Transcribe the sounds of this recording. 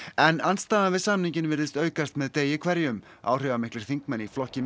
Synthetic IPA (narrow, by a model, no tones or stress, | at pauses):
ɛnanst̪aːðavɪðsamniɲcɪnvɪɾðɪst̪œːɥkast̪mɛðt̪eːjɪkʰvɛɾjʏm | a̰ːwr̥ɪːvamɪhklɪɾ̥θiŋkmɛnːiflɔhcɪ